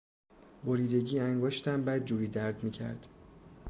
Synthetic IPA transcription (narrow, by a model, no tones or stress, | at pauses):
boɾiːd̪e̞ɟiːæŋɡoːʃt̪ʰæmbæːd̪̚d͡ʒuːɾiːd̪æɾd̪miːcʰæ̰ɾd̪̥